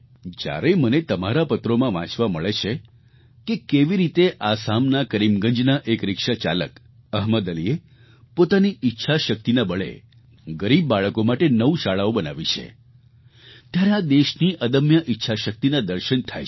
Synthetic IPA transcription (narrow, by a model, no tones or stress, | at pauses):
d͡ʒja̰ɾemənet̪əmaɾapət̪ɾomãʋã̰t͡ʃʋaməɭet͡ʃʰe | kekeʋiɾit̪eʔasamnakəɾimɡə̃ɲd͡ʒnaʔekɾɪkʃat͡ʃa̰lək | əɦməd̪əlie | pot̪aniʔɪtːʃʰaʃək̚t̪inabəɭḛ | ɡəɾibːaɭəkomaʈenəʋuʃaɭaobənaʋit͡ʃʰḛ | t̪jaɾead̪eʃniʔəd̪əmjəʔɪtːʃʰaʃək̚t̪inad̪əɾʃənt̪ʰaj